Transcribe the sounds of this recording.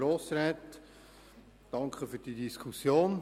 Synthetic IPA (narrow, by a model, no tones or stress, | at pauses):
ɾoːsɾɛːt̪ | d̥ɑŋkʰχəfyːd̥iːdiskʰusjoːn